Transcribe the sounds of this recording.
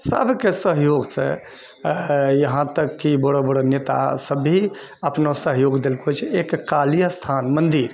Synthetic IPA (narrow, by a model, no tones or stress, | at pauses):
sə̰bʱkesəɦjoɡt͡ʃʰɛ̰ | jəɦãt̪əkːiboɽobəɽonet̪a̰səbɦi | əpnosəɦjoɡd̪elkot͡ʃʰekkːalijəst̪ʰanmənd̪iɾ